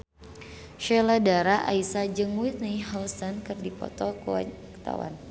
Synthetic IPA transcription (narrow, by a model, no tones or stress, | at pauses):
ʃɛladaɾaʔa̰isad͡ʒɨŋwit̪̚niɦalsankɨrdipɔ̰t̪ɔkwa̰ | kt̪a̰wa̰n